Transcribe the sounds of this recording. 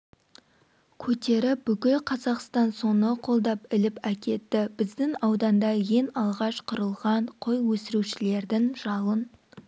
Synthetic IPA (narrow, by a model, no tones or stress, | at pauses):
kʲʰɵt̪e̞ɾɪbʏkʲɪlqʰɑzɑqst̪ɑnso̞nəqʰo̞lˠd̪ɑpɪlɪpækʲʰe̞t̪ːɪbɪzd̪ɪŋɑwd̪ɑnd̪ɑje̞nɑlˠʁɑʃqʰʊɾəlˠʁɑɴqʰojwɵsɪɾuʃɪle̞ɾd̪ɪŋʒ̥ɑlˠən